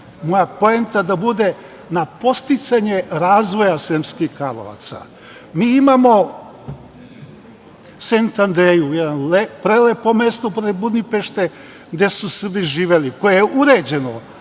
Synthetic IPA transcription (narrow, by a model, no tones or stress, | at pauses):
mojapoent̪ad̪abud̪e̞ | napo̞st̪it̪saɲe̞ɾaːzʋo̞jasemskixkɾalo̰ʋa̰t̪sa̰ | miːimamo̞ | sent̪and̪ɾejujed̪anlepɾelepomest̪opɾebud̪nipeʃt̪e̞ | ɡd̪e̞susr̩biʒiːʋeliko̞jejeʔuɾed͡ʑe̞no